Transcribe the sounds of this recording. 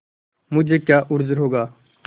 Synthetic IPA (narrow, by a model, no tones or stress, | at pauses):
mʊd͡ʒʱeːkjaːʔʊɾzɾɦoːɡaː